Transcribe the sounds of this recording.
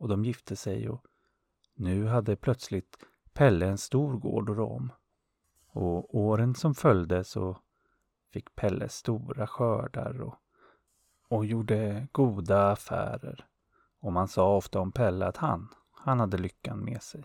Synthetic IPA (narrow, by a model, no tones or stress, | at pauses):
ɔd̪ɔmjɪft̪ʰəsɛjɔ | nʉ̟ːɦad̪ːəpʰlœt̪slɪt̪ | pʰɛlːəɛnst̪uːɾɡo̰ːɖɔɾɔ̰m | ɔoːɾənsɔmfœljd̪əsɔ | fɪkːpʰɛlːə̰st̪uːɾaɧœːɖa̰ɾɔ̰ | ɔjuːɖəɡ̥uːd̪aːfæ̰ːɾə̰ɾ | ɔmansɑːɔft̪aɔmpʰɛlːəat̪ha̰n | hanhad̪ːəlʏkːanmɛ̰ːsɛj